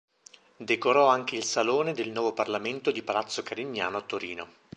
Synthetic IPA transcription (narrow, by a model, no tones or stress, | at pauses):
d̪ekoɾɔaŋkeilsaloːned̪elnwɔːvoparlament̪od̪ipalat̪sːokaɾiɲːja̰ːnoat̪ːoɾiːno